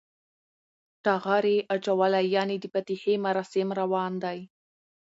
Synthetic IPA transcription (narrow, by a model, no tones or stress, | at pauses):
ʈɑɣɑɾeʔat͡ʃawalajɑnid̪əpat̪ihemaɾɑsɪmɾawɑnd̪aj